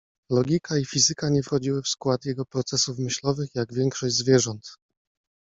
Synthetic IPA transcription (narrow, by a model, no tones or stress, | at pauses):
lɔɡʲikaifʲizɘkaɲɛfxɔd͡ʑiwɘfskwat̪jɛɡɔpɾɔt̪sɛsufmɘɕlɔvɘxjaɡvʲjɛŋkʂɔʑʲzvʲjɛʐɔnt̪